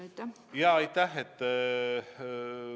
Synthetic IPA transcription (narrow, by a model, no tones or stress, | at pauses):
jɑːɑjt̪æhet̪ː